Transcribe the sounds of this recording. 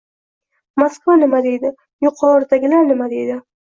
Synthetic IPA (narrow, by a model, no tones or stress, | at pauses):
maskvanɪmad̪e̞jd̪ɪ | jʊqʰɒɾd̪aɡʲɪlaɾnɪmad̪e̞jd̪ɪ